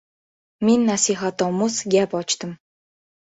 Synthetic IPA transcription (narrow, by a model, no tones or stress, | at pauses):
minʲːasiχat̪ɔmusɡʲæpɔt͡ɕt̪ə̆m